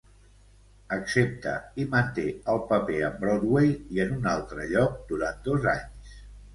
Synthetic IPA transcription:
əksep̚t̪ə̰imənt̪eəlˠpəpeəmbɾod̪wejiənunalˠt̪ɾəʎɔk̚d̪uɾant̪̚d̪ozaɲs

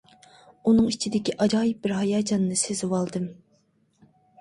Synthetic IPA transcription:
unɨŋit͡ʃʰid̪ɪkʲiʔɑd͡ʒɑːjɪp̚bɪɾɦɑjɑːd͡ʒɑnːɨsezɪwɑlˠd̪ɨm

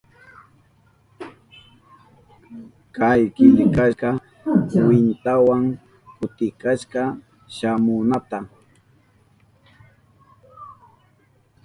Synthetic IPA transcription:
kajkɪʎɪkaʃqɑ | wɪnt̪awaŋ | kʊt̪ɪkaʃqɑ | ʃamʊnat̪a

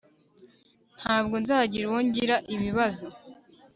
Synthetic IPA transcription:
n̥haːb̚ɡo̞nzaːɟiɾwoɲɟiɾaʔiβiβazo

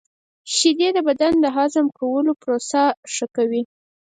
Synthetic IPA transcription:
ʃid̪ed̪əbad̪and̪əɦɑzamkawəlopɾosaʂəkawi

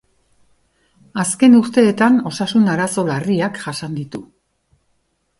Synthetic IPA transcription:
aske̞nuɾt̪e̞ːt̪ano̞sasunaɾaso̞lariakʝasand̪it̪u

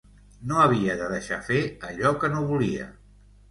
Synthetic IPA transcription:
noəβ̞iəðəðəʃa̰feəʎɔkənoβuliə̰

